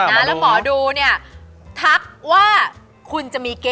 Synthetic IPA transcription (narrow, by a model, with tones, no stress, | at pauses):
a˦lɛ˦˥mɔː˩˦duː˧ni˥˩ɐt̪ʰa˦˥k̚waː˥˩ | kʰu˧nt͡ɕa˨˩ʔmiː˧keː˧